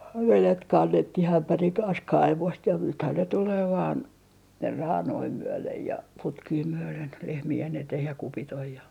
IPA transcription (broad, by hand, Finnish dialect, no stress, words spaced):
jɑ ʋelet kɑnːetːih æmpæriŋ kɑns kɑiʋost jɑ nythæn ne tuleː ʋɑːn rɑːnoi myølej jɑ putkiː myølen lehmien eteh jɑ kupit oj jɑ